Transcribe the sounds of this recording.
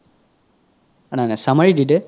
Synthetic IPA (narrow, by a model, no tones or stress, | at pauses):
ananasamaɹididɛ